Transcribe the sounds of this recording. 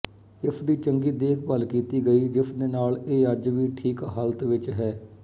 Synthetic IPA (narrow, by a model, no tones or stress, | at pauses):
ɪpʰd̪iːt͡ʃəŋɡiːd̪eːkʰbəlkiːt̪iːɡəiːd͡ʒɪpʰd̪eːnaːleːəd͡ʒʋiːʈʰiːkɦaːlət̪ʋɪt͡ʃɦɛː